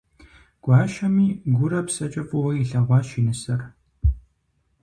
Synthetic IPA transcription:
ɡ̥ʷɑːʃɐmiːɡʷʊɾɐpsɐt͡ʃʼɐfʼʊwɐiɬɐʁʷɑːʃinɨsɐr

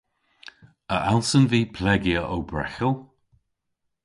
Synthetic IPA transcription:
əʔalˠsənviːpʰlɛɡjəʔowbɹɛ̰xəlˠ

